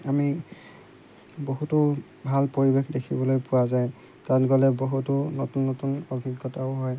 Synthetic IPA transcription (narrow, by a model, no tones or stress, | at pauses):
ami | boɦutʊ | bʱalpoɹibexdekʰibɔlojpʊwazaj̃ | tatɡɔlɛboɦutʊnɔtunːɔtunɔɡʱiɡːɔtaʊɦɔj